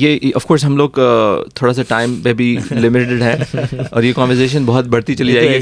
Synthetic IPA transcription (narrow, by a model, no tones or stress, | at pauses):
jeɐfkoːɾs̬ɦɐmloːɡt̪ʰoːɽas̬aʈaːɪmbebʱilɪmɪʈɪɖɦɛ̃ːɔ̰ːɾjekɔ̃ːnʋəɾs̬eːʃ̬ənbɔɦʊt̪̚bʱɐɽt̪it͡ʃɐlid͡ʒaːeɡi